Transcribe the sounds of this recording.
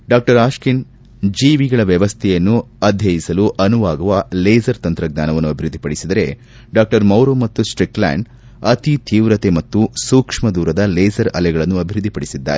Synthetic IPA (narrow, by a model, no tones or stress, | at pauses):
ɖaːk̚ʈɐɾaːʃkin | d͡ʒiːʋiɡɐɭɐʋjɐʋɐst̪ʰɛjɐnːu | ɐd̪ʱjɐjisɐluʔɐnuʋaːɡɐʋɐleːd͡ʒɐɾt̪ɐnt̪ɾɐɡ̚ɲa̰ːnɐʋɐnːuɐbʱiɾud̪ːipɐɽisid̪ɐɾe̞̰ | ɖaːk̚ʈɐɾmɐwɾomɐt̪ːusʈɾikla̰ːɳɖ | ɐt̪it̪ʰiːʋɾɐt̪e̞mɐt̪ːusuːkʂmɐd̪uːɾɐd̪ɐleːd͡ʒɐɾɐ̰lɛɡɐɭɐnːuɐbʱiɾud̪ʱːipɐɽisid̪ːa̰ːɾe